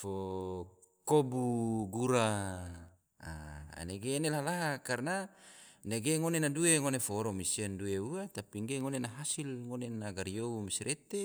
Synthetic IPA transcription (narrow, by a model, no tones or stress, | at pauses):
fo | kobuɡuɾa | a̰a̰neɡeːnelahlaɦakarnaneɡeŋonenadueŋonefoːɾɔmisiandueuat̪apiŋɡeŋonenaɦasilŋonenaɡaɾijoumisɾʔet̪e